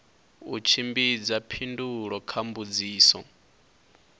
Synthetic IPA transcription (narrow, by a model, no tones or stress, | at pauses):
ut͡ʃʰimbid͡zapʰinduɺɔkʰambud͡ziːsɔ̰